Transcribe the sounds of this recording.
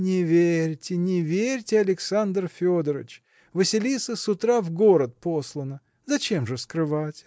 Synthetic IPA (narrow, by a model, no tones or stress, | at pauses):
nʲɪvʲeɾʲtʲɪnʲɪvʲeɾʲtʲɪɐlʲɪksand̪rfʲod̪əɾə̰t͡ɕ | vɨsʲɪlʲit̪səsʊt̪ɾavɡo̞ɾət̪̚poslˠənə | zɐt͡ɕe̞mʐɨskɾɨvatʲ